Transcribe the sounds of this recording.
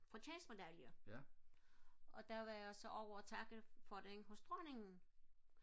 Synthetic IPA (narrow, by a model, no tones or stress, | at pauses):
fʁɑt͡ɕʰɛːsme̝d̥æljə | ʔɒ̽d̥æʋɑjasɒʔɒʊ̰ɐt͡sʰɑ̈ɡ̥əfɒ̽d̥ehɔsd̥ʁɔne̝ŋn̩